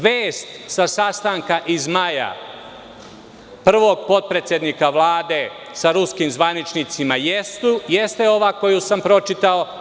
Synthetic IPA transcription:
ʋeːst̪sasast̪aŋkaʔizmaja̰ | pr̩ʋo̞ɡ̚po̞t̪̚pɾe̞t̪sje̞d̪nikaʋlˠaːd̪e̞ | saɾuskimzʋanit͡ʃnit̪simajest̪ujest̪eo̞ʋaːko̞jusampɾo̞t͡ʃit̪ao

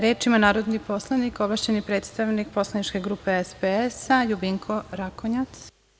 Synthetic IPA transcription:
ɾeːt͡ʃimanaːɾo̞d̪nipo̞slˠanikoblaʃt͡ɕe̞nipɾe̞ːt̪st̪aʋnik̚po̞slˠanit͡ʃke̞ɡɾuːpe̞espeesajubiŋkʰo̞ɾakoɲat̪s

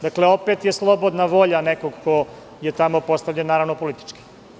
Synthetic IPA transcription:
d̪akle̞o̞pet̪jeslˠo̞bod̪naʋo̞ʎaneko̞ɡko̞ | je̞t̪amo̞po̞st̪avʎenːaːɾaʋnopo̞lit̪i̥t͡ʃki̥

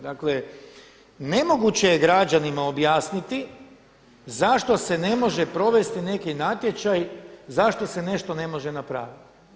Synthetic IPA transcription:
d̪akle̞ | ne̞mo̞ɡut͡ɕe̞jeɡɾad͡ʑanimao̞bjaːsnit̪i | zaʃt̪o̞se̞ne̞mo̞ʒe̞pɾo̞ʋe̞st̪ine̞kinat̪je̞t͡ɕajzaʃt̪o̞se̞ne̞ʃt̪o̞ne̞mo̞ʒe̞napɾa̰ːʋit̪i̥

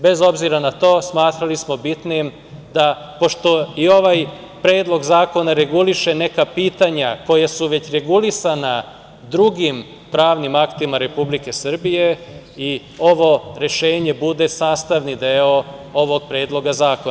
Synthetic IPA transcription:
be̞zo̞bziɾanat̪o̞ːsmaːt̪ɾalismo̞bit̪nim | d̪a | po̞ʃt̪o̞io̞ʋaj | pɾeːd̪lˠo̞ɡzaːko̞naɾe̞ɡuliʃe̞ne̞kapiːt̪aɲako̞jasuʋe̞t͡ɕɾe̞ɡulisana | d̪ɾuɡim | pɾaːʋnimakt̪imaɾe̞publike̞sr̩bije̞ | i | o̞ʋo̞ɾeʃe̞ːɲe̞bud̪e̞saːst̪aʋnid̪eoo̞ʋo̞ɡ̚pɾe̞ːd̪lˠo̞ɡazaːkon

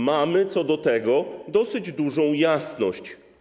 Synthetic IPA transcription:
mamɘt̪sɔd̪ɔt̪ɛɡɔd̪ɔsɘd͡ʑd̪uʐɔ̃w̃jasnɔɕt͡ɕ

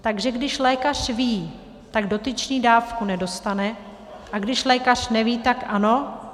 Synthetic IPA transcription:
t̪aɡʒɛɡdɪʃlɛːkar̝̥viː | t̪aɡdo̞t̪ɪt͡ʃɲiːdaːfkunɛdo̞st̪anɛ | ʔaɡdɪʃlɛːkar̝̥nɛviːt̪akʔano

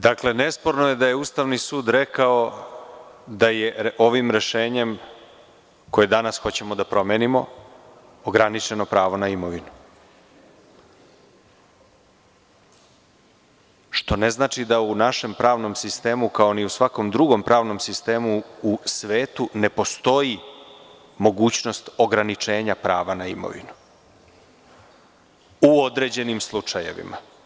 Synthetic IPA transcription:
d̪akle̞ne̞spo̞ɾnoje̞d̪aje̞uːst̪aʋnisuːd̪ɾekao̞ | d̪ajeʔo̞ʋimɾe̞ʃe̞ːɲe̞m | ko̞jed̪anasxo̞t͡ɕe̞mo̞d̪apɾo̞meːnimo̞ | oɡɾanit͡ʃe̞no̞pɾaːʋo̞naimo̞ʋinu | ʃt̪o̞ne̞znaːt͡ʃid̪aunaʃe̞mpɾaːʋno̞msist̪e̞ːmukao̞niusʋako̞md̪ɾuɡo̞mpɾʔaːʋno̞msist̪e̞ːmuːsʋeːt̪une̞po̞st̪o̞ji | mo̞ɡuːt͡ɕno̞st̪o̞ɡɾanit͡ʃe̞ːɲapɾa̰ːʋanaimo̰ʋḭnu | uo̞d̪ɾe̞d͡ʑe̞nimslˠut͡ʂaje̞̰ʋḭma̰

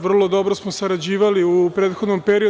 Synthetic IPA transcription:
ʋr̩lˠo̞d̪o̞bɾosmosaɾad͡ʑiːʋaliupɾeːt̪xo̞d̪nompeɾio

